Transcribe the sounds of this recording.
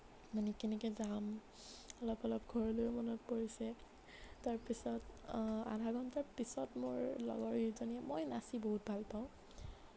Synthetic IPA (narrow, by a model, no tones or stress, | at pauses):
manikinɛkɛzam | ɔlɔpɔlɔp̚ɡʱɔɹɔlojmɔnɔt̚poɹisɛ | taɹpisɔta̰dʱaɡɔntaɹpisɔtmoɹlɔ̰ɡɔɹizoniɛmojnasiboɦut̚bʱalpaʊ̃